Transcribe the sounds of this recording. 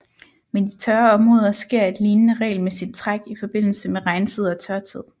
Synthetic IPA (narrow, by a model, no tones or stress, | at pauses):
mend̥it͡sʰɶɐɒ̽mʁɔ̽ːðˠɐsɡ̥e̝ɐ̰e̝d̥liːnənəʁɛ̰ɪlmesid̥̚t͡sʰʁaɡ̥ifɒ̽b̥e̝n̰l̩səmeʁɑ̈ɪnt͡sʰið̞̰ˠɒ̽t͡sʰɶɐt͡sʰið̰ˠ